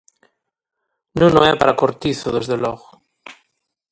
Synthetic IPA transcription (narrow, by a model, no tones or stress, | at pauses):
nũnoɛpaɾakoɾt̪iθoðezðelɔɣo